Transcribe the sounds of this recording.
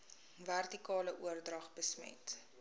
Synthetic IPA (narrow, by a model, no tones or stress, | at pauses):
værtikɑːləʔuərdrɐχbəsmɛ̰t